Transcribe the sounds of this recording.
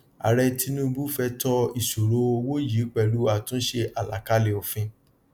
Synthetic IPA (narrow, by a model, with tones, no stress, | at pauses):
a̰˨ɾɛ˧ti˦nũ˦bu˦fɛ˧tɔ˧i˨ʃo˨ɾo˦˧wo˦ji˨˦k͡pɛ˦˨lu˦a˦˨tũ˦ʃe˧ʔa˨la̰˨ka˦le˧˨o˧˨fĩ˧